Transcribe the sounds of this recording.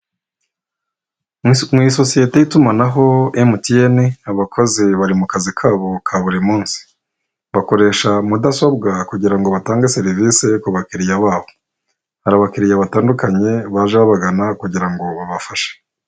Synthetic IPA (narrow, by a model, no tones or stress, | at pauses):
mwiso̞sije̞te̞jitumanaɦo̞emutieniaβakʰo̞ze̞βaɾimukazikʰaːβo̞kʰaβuɾimuːnsi̥ | βako̞ɾe̞ːʃamudaso̞bɡakuɟiɾaŋɡo̞βataːŋɡese̞ɾivise̞kuβakiɾijaβaːβo | haɾaβakiɾijaβataːndukaɲe̞βaʒeβaβaɡanakuɟiɾaŋɡo̞βaβafaʃe̥